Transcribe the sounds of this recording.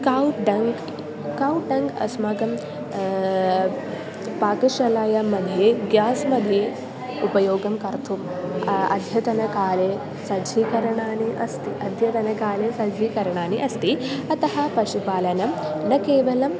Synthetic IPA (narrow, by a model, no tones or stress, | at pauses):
kawʈɖɐŋɡ | kɐwʈɖɐŋɡɐ̰smaɡɐm | paːkɐʃɐlaːjɐmɐd̪ʱjeɡjaːsmɐd̪ʱi | upɐjoːɡɐmkɐɾt̪ʰum | ɐ̰d̪ʱjɐt̪ɐnɐkaːleː | sɐd͡ʒʱikɐɾɐɳaːniʔɐst̪iʔɐd̪ʱjɐt̪ɐnɐkaːleːsɐd͡ʒʱikɐɾɐɳaːniʔɐst̪iɐt̪ɐɦɐpɐʃupaːlɐnɐmnɐkeːʋɐlɐm